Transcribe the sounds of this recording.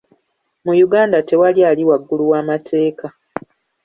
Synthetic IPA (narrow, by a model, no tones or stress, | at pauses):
mujuɡaːndate̞waliaːliwaɡːuluwaːmatʰe̞ːka